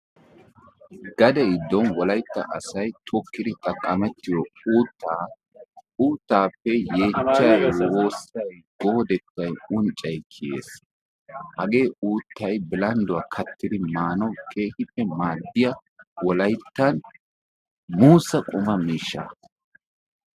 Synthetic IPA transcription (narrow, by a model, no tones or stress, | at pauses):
ɡ̥ɐd̪ɛɪd̪ːɔnwɔlɐjt̪ːɐ̰ʔɐsɐjt̪ʰɔkːɪd̪ɪt̪ʼɐkʼːɐmɛt̪ːɪjɔuːt̪ːaː | uːt̪ːaːpːɛje̞ːt͡ʃːɐjwoːsɐj | ɡ̥ɔhɔd̪ɛt̪ːɐjʊnt͡ʃʼːɐjkʰɪjḛːs | hɐɡe̞ːʔuːt̪ːɐjbɪlɐnd̪ʊwakʰɐt̪ːɪd̪ɪmaːnɔwkʰe̞ːhɪpːɛmaːd̪ːɪjɐwɔlɐjt̪ːɐn | muːsɐkʼʊmɐmiːʃːa̰